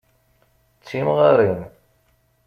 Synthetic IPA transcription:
t͡sːimʁaɾin

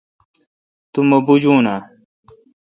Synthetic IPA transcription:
t̪umɐbud͡ʑuːna

